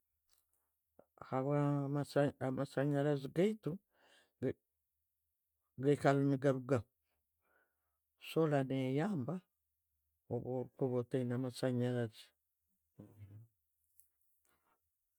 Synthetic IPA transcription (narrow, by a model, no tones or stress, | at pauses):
haβamasamasaɲaɾaziɡaitu | ɡeikalumiɡaɾuɡa | solanejaːmba | oβoɾikoβoteinamasaɲaɾazi̥